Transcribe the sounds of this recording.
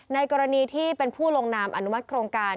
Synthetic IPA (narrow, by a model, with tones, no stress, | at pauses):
na˧jkɔː˧ɾa˧niː˧t̪ʰiː˥˩pe˧npʰuː˥˩lo˧ŋnaː˧mʔa̰˧˩nu˦˥ma˦˥t̪̚kʰɾoː˧ŋkaː˧